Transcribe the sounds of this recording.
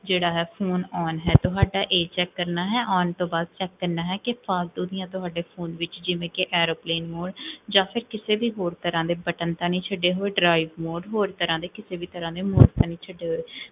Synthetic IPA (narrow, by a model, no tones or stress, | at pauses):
d͡ʒeːɽaːɦɛːpʰoːnɔːnɦɛːt̪ʊɦaːɖaːʔeːt͡ʃɛːkːəɾnaːɦɛːʔɔːnt̪õːbaːd̪̚t͡ʃɛːkːəɾnaːɦɛːkɪpʰaːld̪uːd̪ɪjãːt̪ʊɦaːɖeːpʰoːnʋɪt͡ʃd͡ʒɪʋẽːkeʔɛːɾoːpleːnmoːɖd͡ʒãːpʰɪɾkɪseːbiːɦoːɾt̪əɾãːd̪eːbəʈənt̪ãːnĩːt͡ʃʰəɖːeːɦoːeːɖɾaːiʋmoːɖɦoːɾt̪əɾãːd̪eːkɪseːbiːt̪əɾãːd̪eːmoːɾɡt̪ãːnĩːt͡ʃʰəɖːeːɦoːeː